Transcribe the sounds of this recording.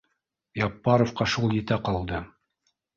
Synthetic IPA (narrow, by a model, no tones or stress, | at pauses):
jɑpːɑɾofqɑʃulˠjɘ̆t̪æqɑlˠd̪ɤ